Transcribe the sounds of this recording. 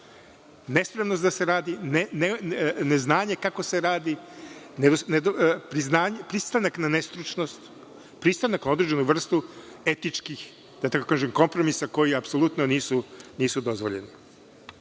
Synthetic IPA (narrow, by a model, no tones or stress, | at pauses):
ne̞spɾe̞mnost̪d̪ase̞ɾaːd̪ineneneznaːɲe̞kako̞se̞ɾaːd̪ined̪osned̪pɾiznaːɲpɾist̪anaknanest̪ɾut͡ʃnost̪ | pɾist̪anaknao̞d̪ɾed͡ʒe̞nuʋr̩st̪u | e̞t̪it͡ʃkix | d̪̥at̪akokaːʒemko̞mpɾo̞misako̞jiapso̞lˠut̪noniːsuniːsud̪o̞zʋo̞ʎe̞̰ni